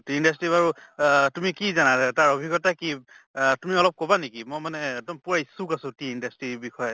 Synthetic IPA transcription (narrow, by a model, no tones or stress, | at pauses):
tiindastɹibaɹutumikizanataɹobʱikɔtaki | tumiɔlɔp̚kɔbanekimɔjmanɛɛɡ̚dɔmpuɹajsukasʊ̃tiindastɹiɹbixɔjɔ